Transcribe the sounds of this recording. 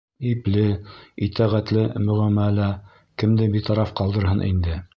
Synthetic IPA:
iplɘit̪æʁæt̪lɘmɵ̆ʁæmælæ | kɘ̆md̪ɘbit̪ɑɾɑfqɑlˠd̪ɤ̆ɾɦɤnʔḭnd̪ɘ

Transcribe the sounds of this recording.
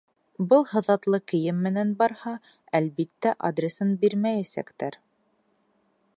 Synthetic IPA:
bɤlˠhɤ̆ðɑt̪lˠɤkɘ̆jɘmːɘ̆nænbɑɾhɑ | ælβit̪ːæʔa̰d̪rʲesɤnbiɾmæjæsæ̰kt̪æɾ

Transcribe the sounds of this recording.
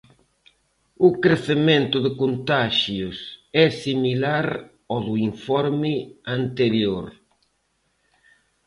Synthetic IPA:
ʊkɾeθemẽnt̪ʊðɪkont̪aʃjʊsɛsimilaɾ | ɔðʊiɱfɔɾmɪant̪eɾjoɾ

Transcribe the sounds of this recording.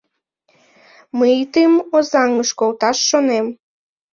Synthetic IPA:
mɨit̪ɨmozɑŋəʃkolt̪ɑʃːonem

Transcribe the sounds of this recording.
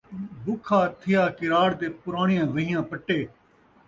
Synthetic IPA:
bʊkʰaːt̪ʰɪjaːkɪɾaːɽt̪eːpʊɾaːɳɪjãːʋəɦɪjãːpəʈːeː

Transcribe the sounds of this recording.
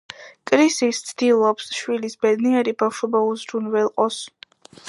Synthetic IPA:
kʼɾisist̪sʰd̪̥ilˠɔpsʃwilisbɛd̪niɛɾibafʃɔbauzɾunvɛlˠqʼɔs

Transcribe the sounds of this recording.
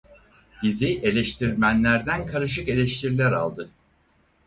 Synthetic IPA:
b̪iziʔe̞lʲɛʃt̪ʰiɾmænlʲæɾd̪ænkʰaɾɯʃ̬ɯke̞lʲɛʃt̪ʰiɾilʲæɾa̰lˠd̪ɯ

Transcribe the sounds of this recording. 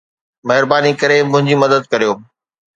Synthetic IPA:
mɐɦɪɾbaːnikɐɾemʊ̃ɦɪ̃ɲd͡ʑimɐd̪əd̪̚kɐɾijoː

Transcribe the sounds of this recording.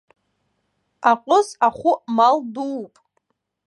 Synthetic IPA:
aqʷʼʊzaχʷʊmalduwpʼ

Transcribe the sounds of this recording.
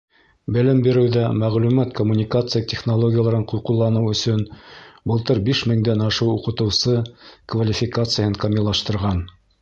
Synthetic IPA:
bɘ̆lɘmbiɾɘwðæmæʁlʉmæt̪komːunʲikat̪sɨjat̪ʲeχnolˠoɡʲɪjalˠɑɾɤɴquɾqulˠːɑnɤwɵ̆sɵnbɤ̆lˠt̪ɤɾbiʃmɘ̆ŋd̪ænɑʃɤwuqɤ̆t̪ɤ̆wsɤkvalʲifʲikat̪sɨjəhɤɴkɐmʲilˠɑʃt̪ɤ̆ɾʁɑn

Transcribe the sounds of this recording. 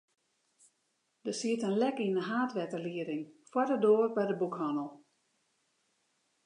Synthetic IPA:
d̥əsiətənlɛkinəɦaːtʋɛtəliəɾɪŋfwɔdədoːrbɛjdəbukhɔnəlˠ

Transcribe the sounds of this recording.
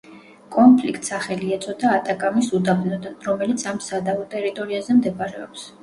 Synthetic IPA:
kʼɔnpʰlikʰt̪ʼsaχɛliɛt̪sʼɔd̪aːt̪ʼakʼamisud̪abnɔd̪anɾɔmɛlit̪sʰamsad̪avɔt̪ʼɛɾit̪ʼɔɾiazɛmd̪ɛkʼaɾɛɔ̰ps

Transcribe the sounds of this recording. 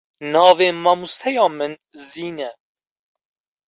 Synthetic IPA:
nɑːveːmɑːmust̪ʰɛjɑːmɨn | ziːnɛ

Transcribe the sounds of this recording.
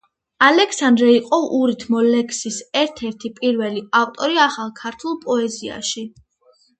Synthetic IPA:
alɛkʰsand̪ɾɛiqʼɔʔuɾit̪ʰmɔlɛkʰsisɛɾt̪ʰɛɾt̪ʰipʼiɾvɛliavt̪ʼɔɾiaχalˠkʰaɾt̪ʰulˠpʼɔɛzia̰ʃi

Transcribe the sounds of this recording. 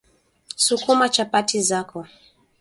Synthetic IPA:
sukumat͡ʃapatizakɔ

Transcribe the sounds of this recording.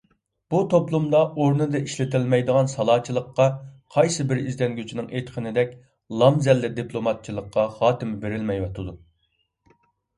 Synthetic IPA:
b̥ut̪ʰoplˠumd̪ɑoɾnɨd̪ɨʔiʃlɪt̪ɪlmɛjd̪əʁɑnsɑlˠɑːt͡ʃʰilˠəqːɑqʰɑjsɨbɪɾizd̪ɛnɡʲyt͡ʃʰinɪŋejt̪qʰənɪd̪ɛkʲ | lˠɑmzɛlːɪd̪ipʰlˠomɑt̪̚t͡ʃʰilˠəqːɑχɑːt̪ɪmɪbeɾɪlmɛjwɑt̪ʰɨd̪u

